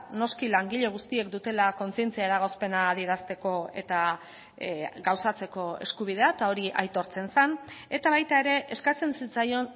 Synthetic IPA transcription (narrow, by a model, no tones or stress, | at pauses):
no̞skilaŋɡiʎe̞ɣ̞ust̪ie̞k̚d̪ut̪e̞lako̞nt͡sie̞nt͡siaeɾaɣ̞o̞spe̞naːðie̞ɾast̪e̞ko̞e̞̰t̪a | ɡawsat͡se̞ko̞eskuβ̞ið̞e̞aet̪ao̞ɾiʔa̰jt̪o̞ɾt͡se̞nsane̞t̪aβajt̪ae̞ɾe̞ʔeskat͡sensit͡sajo̞n